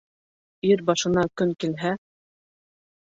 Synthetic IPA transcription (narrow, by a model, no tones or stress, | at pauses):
iɾbɑʃɤ̆nɑkɵŋkilɦæ